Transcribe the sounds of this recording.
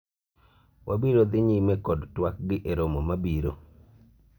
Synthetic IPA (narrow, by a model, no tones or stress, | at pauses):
wʔabiɾod̪ɪɲimɛkɔdtwak̚ɡɪʔeɾomomabiɾo̰